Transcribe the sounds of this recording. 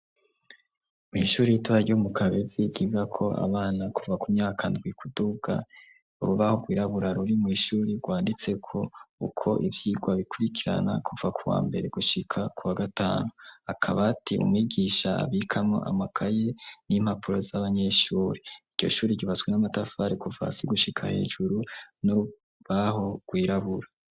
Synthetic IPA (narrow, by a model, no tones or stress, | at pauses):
mwḭːʃuːɾijitoaɾɟomukaβeziɟiɡakʰo̞ʔa̰βaːnakuvakumɲaːkakʰaːndɡwikʰuduɡ̥a̰ | uɾuβahoɡwiːɾaβuɾaɾuɾimŋiːʃuːɾiɡwaːndit͡se̞kʰo̞ukʰo̞̰ʔivjiːɡwaβikuɾikiɾa̰na̰kuvakʰuwa̰ːmbe̞ɾe̞ɡuʃikʰakʰuwaɡata̰ːnuakʰaβatʰiʔṵmwiːɡiːʃaa̰βikʰamŋo̰ʔa̰makʰaje̞nim̥hapuɾo̞zaβaɲe̞ʃuːɾeiɾɟo̞̰ʃuːɾiɟiβaswenamatafaːɾikuva̰siɡuʃikʰahe̞̰ːʒuɾunuu | βaho̞ɡ̥wiːɾaβuɾa